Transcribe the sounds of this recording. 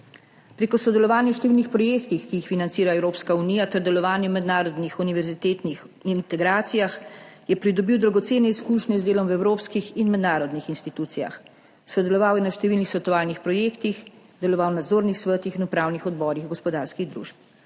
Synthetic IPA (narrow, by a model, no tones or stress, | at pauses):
pɾeːkɔsɔd̪ɛlɔʋaːnjɛʃt̪ɛʋilnixpɾɔjeːkt̪ixkijːxfinant̪siːɾaɛwɾoːpskauniːjat̪ɛɾd̪ɛlɔʋaːnjɛmɛd̪naːɾɔd̪nixuniʋɛɾzit̪et̪nix | int̪ɛɡɾaːt̪sijaxjɛpɾid̪ɔbiwd̪ɾaɡɔt̪seːnɛiskuːʃnɛzd̪eːlɔmwɛwɾoːpskixinmɛd̪naːɾɔd̪nixinst̪it̪uːt̪sija̰x | sɔd̪ɛlɔʋaːwjɛnaʃt̪ɛʋiːlnixsɛt̪ɔaːlnixpɾɔjeːkt̪ix | d̪ɛlɔʋawnad̪zoːɾnixsʋət̪ixinupɾaːwnixɔd̪bɔːɾixɡɔspɔd̪aɾskiɣd̪ɾṵːʃp̚